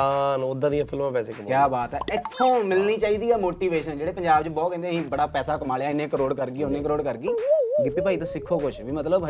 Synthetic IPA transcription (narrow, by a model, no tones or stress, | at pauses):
anʊd̪ːãːd̪ijãːpʰɪlmãːpɛːseːkəmkjaːbaːt̪ɛːɪt̪ʰːõːmɪlniːt͡ʃaːiːd̪iːɛːmoːʈiːʋeːʃənd͡ʒeːɽeːpəɲd͡ʒaːbt͡ʃbɔːt̪kɛ̃ːnd̪eːɦĩːbəɽaːpɛːsaːkəmaːlejaːɪnːẽːkəɾoːɽkəɾɡiːʊnːẽːk̬əɾoːɽkəɾɡiːɡɪpːiːpaːiːt̪õːsɪkʰːoːkʊt͡ʃʰʋiːmət̪ləb